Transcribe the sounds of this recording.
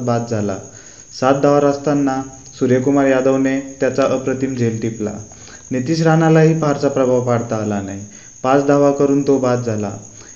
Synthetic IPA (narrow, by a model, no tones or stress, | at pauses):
bat̪̚d͡zʱala̰ | sat̪̚d̪aʋaɾast̪anːa | suɾjekumaɾjad̪əʋnet̪jat͡saʔəpɾət̪imd͡ʑʱelʈipla̰ | net̪iːɕ̬ɾanalaɦiːpaɾt͡sapɾəbʱaʋpaɽt̪aːlanaj | pat͡sd̪aʋakəɾuːnt̪obat̪̚d͡zʱala̰